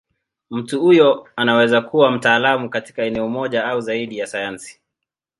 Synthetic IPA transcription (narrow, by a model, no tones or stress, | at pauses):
m̩tuhujɔanawɛzakuwam̩taːlamukati̥kaɛnɛɔmɔʄaauzaiɗijasajansi̥